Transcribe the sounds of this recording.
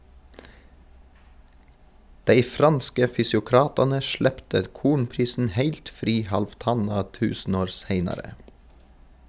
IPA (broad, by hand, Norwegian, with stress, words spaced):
ˈdæɪ ˈfɾɑnskə fʏsjʊˈkɾɑːtɑnə ˈʃɭɛptə ˈkuːɳpɾiːsn̩ ˈhæɪlt ˈfɾiː hɑlfˈtɑnɑ ˈtʉːsn̩ˌoːɾ ˈseɪnɑɾə